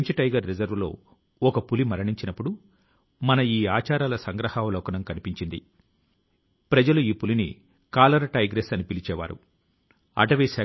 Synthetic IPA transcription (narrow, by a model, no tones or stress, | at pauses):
ɲt͡ʃɐʈɐjɡɐɾːid͡ʒɐɾʋlo̞̰ː | ɔkɐpulimɐɾɐɳiɲt͡ʃinɐpːuɽu | mɐnɐiːaːt͡ʃaːɾaːlɐsɐŋɡɾɐhaːʋɐlɔːkɐnɐmkɐnipiɲt͡ʃind̪ḭ | pɾɐd͡ʒɐluiːpulinḭ | kaːlɐɾɐʈɐjɡɾesɐnipilit͡ʃɛːʋa̰ːɾṵ | ɐ̰ʈɐʋisɛː